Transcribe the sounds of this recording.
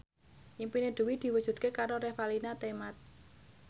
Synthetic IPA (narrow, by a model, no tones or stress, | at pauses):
ʔimpineɖ̪̥ṳwid̪̥i̤wud̥ʒ̥ṳt̪̚kekaɾoɾɛfalinat̪emat̪̚